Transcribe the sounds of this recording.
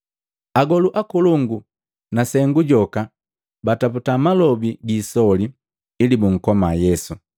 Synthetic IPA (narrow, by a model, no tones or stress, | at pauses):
aɡɔluʔakuluŋɡu | nasɛŋɡuɟɔka | bataputamalɔbiɡiːsɔliː | libuŋ̩kɔmajɛsu